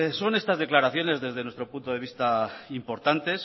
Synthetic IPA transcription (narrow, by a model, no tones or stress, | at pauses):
so̞ne̞st̪azðe̞klaɾaθjo̞ne̞zðe̞zðe̞nwe̞st̪ɾo̞punt̪oðe̞β̞ist̪aimpo̞ɾt̪ant̪e̞s